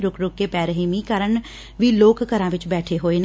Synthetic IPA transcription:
ɾʊkɾʊkːepɛːɾəɦemikəɾəɳ | ʋiloːkkəɾãʋɪt͡ʃbɛːʈʰeɦoːen

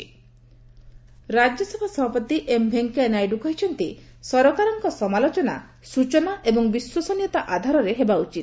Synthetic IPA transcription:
ɾad͡ʒjɔsebʱasɔbʱapɔt̪iʔembʱeŋkenajɖukɔɦit͡ʃʰɔnt̪isɔɾɔkaɾɔŋkɔsɔmalot͡ʃɔna̰ | sut͡ʃɔnaʔebɔŋbiswɔsɔnjɔt̪aʔad̪ʱaɾɔɾeɦebaut͡ʃit̪̚

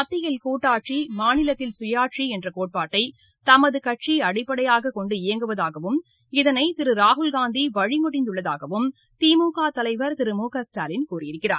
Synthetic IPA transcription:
ɐt̪ːɪjɐlkuːʈːaːʈ̚t͡ʃimaːnɪlɐt̪ːɪlsʊjaːʈ̚ʂiɛndrɐkoːʈ̚paːʈːɐɪ | t̪ɐmɐðɯkɐʈt͡ʃiɐɽɪpːɐɽɐjaːɣɐkɔɳɖɯɪjɐŋɡɯʋɐðaːɣɐʋɯm | ɪðɐnɐɪt̪ɪɾɯɾaːɦʊlɡaːnd̪iʋɐɻɪmʊɽɪnd̪ʊɭːɐðaːɣɐʋɯm | t̪iːmuːkaːt̪ɐlɐɪʋɐɾt̪ɪɾɯmuːkaːsʈaːlɪnkuːrɪjɪɾɯkːɪra̰ːɾ

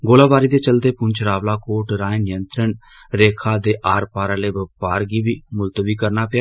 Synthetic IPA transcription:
ɡoːlaːbaːɾiːd̪eːt͡ʃəld̪eːpʊnt͡ʃɾaːʋlaːkoːʈɾaːẽnɪjənt̪ɾəɳ | ɾeːkʰaːd̪eːʔaːɾpaːɾaːleːbəpaːɾɡiːbiːmʊlt̪əbiːkəɾnaːpɪjaː

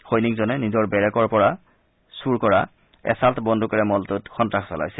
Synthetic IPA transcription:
xojnik̚zɔnɛnizɔɹbɛɹɛkɔɹpɔɹa | suɹkɔɹa | ɛ̰saltbɔndʱukaɹɛmɔltʊtxɔntɹaxsɔla̰jsɛ

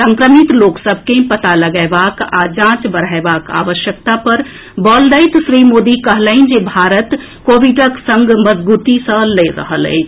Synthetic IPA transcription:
sə̃ŋkɾəmit̪loːksəb̚ʱkẽpət̪aləɡaːbaːka̰d͡ʒãːt͡ʃbəɾ̤aebaːka̰ːʋəʃjək̚t̪apəɾ | bɔːld̪əɪt̪sɾiːmoːd̪ikəɦləɪ̃nd͡ʒebʱaːɾət̪ | koːʋiʈəksə̃ŋɡməd͡ʒbuːt̪isə̃leɾə̰ɦəlḛːt͡ʃʰ

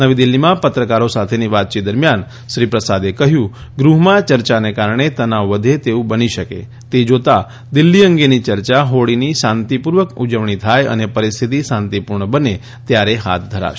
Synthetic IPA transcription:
nəʋid̪ɪlːimãpət̪ɾəkaɾosat̪ʰeniʋat̪̚t͡ʃit̪̚d̪əɾmjan | ʃɾipɾəsad̪ekəɦjũɡɾuɦmãt͡ʃəɾt͡ʃanekaɾɳ̃et̪ənaʋʋəd̪ʱet̪eũbəniʃəkḛ | t̪ed͡ʒot̪a | d̪ɪlːiə̃ŋɡenit͡ʃəɾt͡ʃaɦoɽiniʃãnt̪ipuɾʋəkud͡ʒəʋɳ̃it̪ʰajə̰nepəɾist̪ʰit̪isãnt̪ipuɾɳəbəne | t̪jaɾeɦa̰t̪̚ʰd̪ʱəɾa̰ʃ

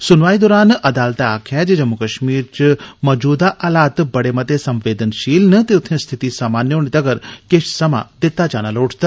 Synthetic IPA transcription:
sʊnʋaːid̪ɔːɾaːnɐd̪aːlt̪eaːkʰad͡ʒed͡ʒɐmːukəʃmiːɾt͡ʃmɐd͡ʒuːd̪aʔaːlaːt̪bɐɽemɐt̪esɐ̃mʋeːd̪ənʃiːlnɨt̪eʊt̪ʰnẽst̪ʰɪt̪isaːmaːnjoːnit̪ɐɡəɾkɪʃʰsɐma̰d̪ɪt̪ːat͡ʃaːnaloːʈʰt̪a

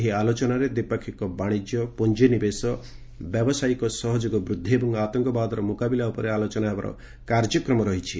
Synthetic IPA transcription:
ɦialot͡ʃɔnaɾed̪ipɔkʰːikɔbaɽ̃id͡ʒjɔpund͡ʒenibesɔ | bjɔbɔsajkɔsɔɦɔd͡ʒoɡɔbɾud̪ʱːebɔŋɡat̪ɔŋkɔbad̪ɔɾɔmukabilaupɔɾealot͡ʃɔnaebaɾɔ̰ | kaɾd͡ʒjɔkɾɔmɔɾɔɦit͡ʃʰi

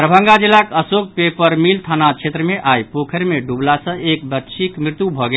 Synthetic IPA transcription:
ɾəbʱə̃ŋɡad͡ʒilːakəsok̚pepəɾmilt̪ʰanat͡ʃʰet̪ɾəmeʔajpokʰəɾmeɖublasə̃ek̚bətːʃʰikmɾit̪jubʱɔɡe

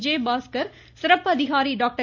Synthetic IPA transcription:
d͡ʒeːbaːskɐɾ | sɪɾɐpːɐðɪɣaːɾiɖaːk̚ʈɐ

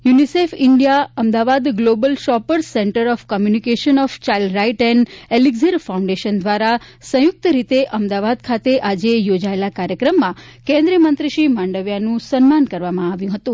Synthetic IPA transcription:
junisefiɳɖijaəmd̪aʋad̪ɡlobəlʃɔpəɾsɛɳʈəɾɔfkɔmjunikeʃənɔft͡ʃailɖɾaiʈɛneliɡziɾfaũɳɖeʃənd̪ʋaɾa | sə̃jʊk̚t̪əɾit̪eʔəmd̪aʋad̪kʰat̪eʔad͡ʒejod͡ʒaelakaɾjəkɾəmːã | kɛ̃nd̪ɾijəmənt̪ɾiʃimãɳɖəʋjanũsənmankəɾʋamãaʋjũɦət̪ũ

